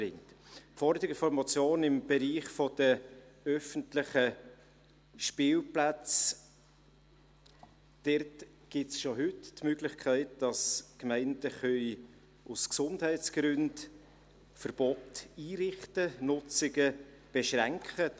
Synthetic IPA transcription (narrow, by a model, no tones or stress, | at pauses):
ɪŋtfɔɾdəɪfɔɾmɑt͡sjoːnɪmb̥ɛɾiːχfɔd̥əœfəntlɪχə | ʃpɪːlplæt͡s | d̥ɛrt | ɡ̥ɪtsʃoɦʏttmøɡlɪχkʰæɪtd̥ɑskmæɪndəχœʏ | usksʊndhæɪtsɡ̥ɾʏnd | fəɾb̥ɔtiːɾɪχtənʊt͡sɪɡəb̥ɛʃɾæŋkχə